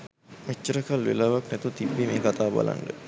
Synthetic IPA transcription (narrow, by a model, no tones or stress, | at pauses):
met͡ʃːəɾəkalʋḛlaʋaknɛt̪ut̪ibːimeːkat̪aːba̰lʔa̰nɖə